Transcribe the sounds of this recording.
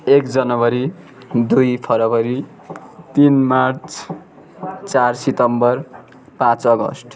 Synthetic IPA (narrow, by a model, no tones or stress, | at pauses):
ekd͡zʌnʌbʌɾi | d̪ujpʰʌɾʌbʌɾi | t̪inmart͡s | t͡sarsit̪ʌmbʌr | pãt͡sʌɡʌ̰sʈ